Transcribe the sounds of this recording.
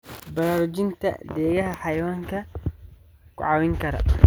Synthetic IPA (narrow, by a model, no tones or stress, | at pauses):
bɐɾaːɾʊt͡ʃɪnt̪ʰɐ̰d̪ɛːɣɐɦɐħɑjwaːŋkʰɐ | kʰʊ̰ʕɑwɪŋkʰɐɾɐ̰